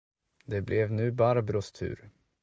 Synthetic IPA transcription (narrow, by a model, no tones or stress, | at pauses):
d̪ɛblɛvnʉ̟ːbaɾabɾʊst̪ʰʉ̟̰ːɾ